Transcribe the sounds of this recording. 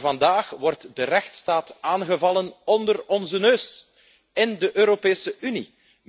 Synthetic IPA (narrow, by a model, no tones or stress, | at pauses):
vɑndaːxʋɔrtdərɛxtstaːtaːnɣəvɑlənɔndərɔnzənøːs | ɪndəʔøːɾopeːsəʔynḭ